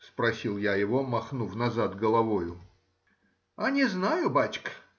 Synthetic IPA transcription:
spɾɐsʲilˠjajɪvomɐxnufnɐzat̪ɡəlˠɐvojʊ | anʲɪznajʊbat͡ɕk

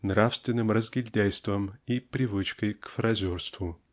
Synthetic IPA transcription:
nɾafst̪vʲɪnːɨmrəzɡʲɪlʲd̪ʲæjst̪vəmipɾʲɪvɨt͡ɕkəjkfɾɐzʲorst̪vʊ

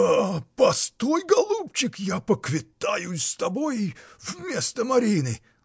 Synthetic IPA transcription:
apɐst̪ojɡɐlˠup̚t͡ɕɪkjapəkvʲɪt̪ajʊst̪ɐbojvmʲest̪əmɐɾʲinɨ

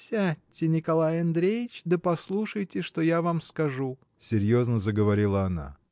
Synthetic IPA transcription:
sʲaɪnʲɪkɐlˠajɐnd̪ɾʲejɪt͡ɕd̪əpɐslˠuʂəjtʲɪʂt̪ojavamskɐʐu | sʲɪɾʲjo̞znəzəɡəvɐɾʲilˠəɐna̰

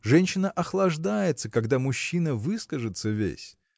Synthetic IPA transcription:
ʐɛnʲɕːɪnəʔɐxlˠɐʐd̪ajɪt̪səkaɡd̪amʊɕːinəvɨskəʐɨt̪səvʲḛsʲ

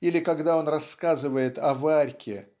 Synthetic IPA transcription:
ilʲɪkɐɡd̪ao̞nrɐskazɨvəjɪt̪ɐvarʲkʲɪ

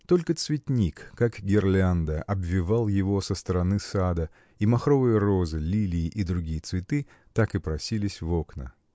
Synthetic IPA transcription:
t̪o̞lʲkət̪svʲɪtʲnʲikːakɡʲɪrlʲand̪əʔɐbvʲːɪvalˠjɪvo̞səst̪əɾɐnɨsad̪ə | imɐxɾo̞vɨjəɾo̞zɨlʲilʲɪːʔid̪ɾʊɡʲijət̪svʲɪt̪ɨ | t̪akɨpɾɐsʲilʲɪsʲvo̞knə̰

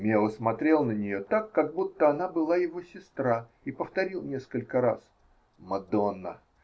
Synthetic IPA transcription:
mʲelˠəsmɐt̪ɾʲelˠnənʲɪjo̞t̪akːaɡ̚but̪ːəɐnabɨlˠajɪvosʲɪst̪ɾa | ipəft̪ɐɾʲilˠnʲeskəlʲkəɾa̰s | mɐd̪onːə̰

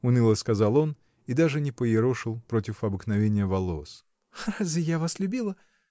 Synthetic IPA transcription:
ʊnɨlˠəskɐzalˠo̞n | id̪aʐɨnʲɪpəjɪɾoʂɨlˠpɾo̞tʲɪfɐbɨxnɐvʲenʲɪjəvɐlˠos | razvʲɪjavaslʲʉbʲilˠə

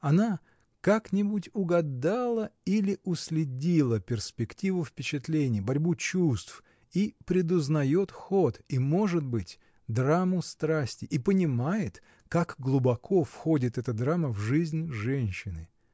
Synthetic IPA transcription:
ɐna | kaknʲɪbutʲʊɡɐd̪alˠəilʲɪʔʊsʲlʲɪdʲilˠəpʲɪrspʲɪktʲivʊfpʲɪt͡ɕɪt̪lʲenʲɪjəbɐɾʲbut͡ɕust̪f | ipɾʲɪd̪ʊznɐjo̞t̪xot̪imo̞ʐɨd̪bɨtʲ | d̪ɾamʊst̪ɾasʲtʲɪʔipənʲɪmajɪt̪ | kakɡlˠʊbɐkʰo̞fxo̞dʲɪt̪ɛt̪əd̪ɾaməvʐɨzʲnʲʐɛnʲɕːɪnɨ

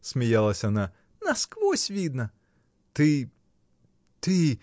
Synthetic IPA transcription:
sʲmʲijalˠɐsʲɐɐna | nɐskʋɔsʲʋʲid̪nɐ | t̪ɪ | t̪ɪ

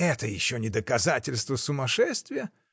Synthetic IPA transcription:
ɛt̪əjɪɕːonʲɪd̪əkɐzatʲɪlʲst̪vəsʊmɐʂɛst̪vʲɪjə

